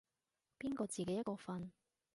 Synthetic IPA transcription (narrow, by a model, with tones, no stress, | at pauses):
piː˥nkɔː˧t͡siː˨ke˨˦jɐ˥kɔː˧fɐ˧n